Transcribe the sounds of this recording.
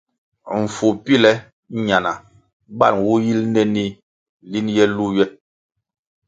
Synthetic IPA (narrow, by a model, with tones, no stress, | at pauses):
ɱ̩˨fu˨pi˦˨lɛ˦ | ɲa˨na˨ | ba̰˦˨nwu˦ji˦lnɛ˦ni˦ | li˦njɛ˦lu˦jɛ˦